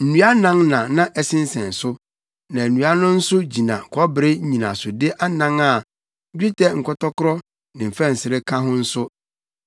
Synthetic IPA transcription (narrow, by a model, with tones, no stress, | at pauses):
n̩˨nũ˦a˦nã˦ŋnã˨nã˦ʔɛ˦˨sɪ̃˦n˦sɛ̃˨n˨sʊ˦ | nã˨nũ˨˦a˦nʊ̃˦n̩˦sʊ˦d͡ʑi˨nã̰˨kʰɔ˦bɾe˦ɲĩ˨nã̰˨sʊ˨dɪ˦ʔa˦nã˦ŋa˦˨˦ | dᶣi˦tʰɛ˦ŋ̩˨kʰɔ˦tʰɔ˦kʊ˦ɾɔ˦ | nɪ̃˨m̩˨fɛ̃˦n̩˨sɪ˨ɾɪ˦kʰã˦ɦʊ̃˦n̩˦sʊ˦